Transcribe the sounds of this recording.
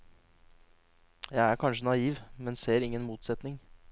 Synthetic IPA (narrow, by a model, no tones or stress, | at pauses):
jæɪæːɾkʰɑnʂənɑiːʋmɛnseːɾɪŋːənmuːt̪sɛt̪nɪŋ